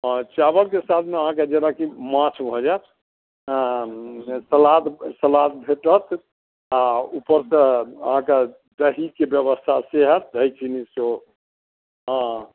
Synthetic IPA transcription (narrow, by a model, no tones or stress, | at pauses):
t͡ʃabəlkesat̪ʰmeəɦãked͡ʒenakimãt͡ʃʰbʱɔd͡ʒat̪ | səlat̪səlat̪̚bʱeʈət̪ʰ | aupəɾsəə̰ɦãke | d̪əɦikebjəβəst̪ʰaseɦət̪̚ɦəjkʰiniso | ɦɔ̃